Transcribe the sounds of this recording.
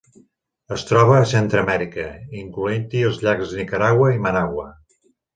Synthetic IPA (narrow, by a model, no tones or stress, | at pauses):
əst̪ɾɔβ̞əːsent̪ɾəmɛɾikəiŋkluent̪iəlˠzʎakzðənikəɾaɣwəimənaɣwə